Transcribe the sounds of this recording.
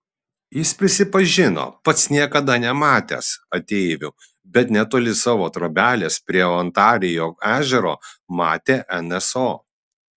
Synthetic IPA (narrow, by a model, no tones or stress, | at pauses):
jɪspʲɾʲɪsʲɪpɐʒʲɪno̰pɐt̪snʲiɛkɐd̪ɐnʲɛmɑːt̪ʲḛːsɐt̪ʲeɪʋʲʊ | bʲɛt̪nʲɛt̪ʊlʲɪsɑːʋoːt̪ɾoːbʲæːlʲeːspʲɾʲiɛɔnt̪ɑːɾʲɪjoːæːʒʲɛɾo̰ːmɑːt̪ʲeːʔɛnɛsoː